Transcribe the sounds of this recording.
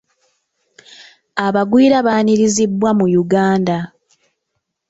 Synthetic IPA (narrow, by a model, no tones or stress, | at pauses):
aβaɡwiːɾaβaːɲiɾizibːwamujuɡaːnda